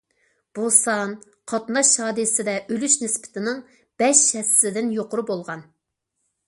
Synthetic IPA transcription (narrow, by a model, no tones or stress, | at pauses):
b̥usɑn | qʰɑt̪nɑʃɑːd̪ɨsɪd̪ɛʔølyʃnɪspʰɪ̥t̪ʰɪnɪŋ | b̥ɛʃɛsːɪd̪ɪnjoqʊɾubolˠʁɑn